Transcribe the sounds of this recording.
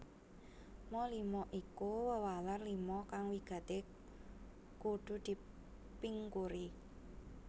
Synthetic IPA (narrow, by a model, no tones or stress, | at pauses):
mɔlimɔʔikuwəwalərlimɔkaŋwiɡ̥ä̤t̪e | kuɖ̥ṳd̪̥i̤ | piŋkuɾi